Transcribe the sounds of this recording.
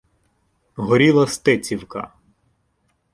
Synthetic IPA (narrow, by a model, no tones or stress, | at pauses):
ɦɔɾʲilˠɐst̪ɪt͡sʲiwkɐ̰